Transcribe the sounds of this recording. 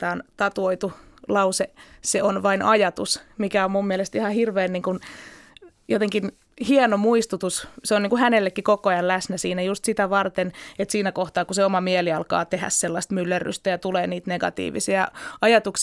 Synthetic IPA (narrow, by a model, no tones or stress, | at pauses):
ɑːnt̪ɑt̪uoit̪ulɑuseseonʋɑinʔɑjɑt̪usmikæommummielest̪ihɑhirʋeːnniːŋkun | jot̪eŋkin | hienomuist̪ut̪usseoniːŋkuhænelːekːikokoɑjɑnlæsnæsiːnæjust̪sit̪æʋɑrt̪enet̪siːnækoht̪ɑːkuseomɑmieliɑlkɑ̰ːt̪ehæ̰sselːɑst̪mylːæry̰st̪æjɑt̪uleːniːt̪neɡ̥ɑ̰t̪ḭːʋḭsiɑɑjɑt̪uks